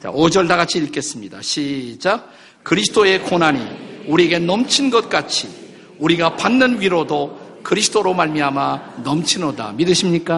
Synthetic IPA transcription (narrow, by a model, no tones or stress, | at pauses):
t͡ɕa̰od͡ʑʌɭdaɣat͡ɕʰiiɭk͈e̞s͈ɯmɲida̰ɕʰid͡ʑ͈a | kɯɾisʰɯ̥t͈ʰoe̞konaɲḭuɾieɡe̞nʌmt͡ɕʰinɡʌt̚k͈at͡ɕʰi | uɾiɡapanːɯnɥiɾodokɯɾisʰɯ̥t͈ʰoɾomaɭmiɦamanʌmt͡ɕʰinoda̰midɯɕʰimɲik͈a